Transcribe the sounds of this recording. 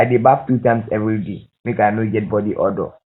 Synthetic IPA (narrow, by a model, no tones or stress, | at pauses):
aɪdebaftutãɪ̃msɛvɾidemẽkaɪnod͡ʒɛt̚bɔdiʔɔdɔ̰